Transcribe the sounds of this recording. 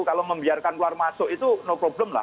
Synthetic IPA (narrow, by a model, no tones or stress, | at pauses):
kaloməmbiarkankluarmasoʔit̪unopɾobləmla̰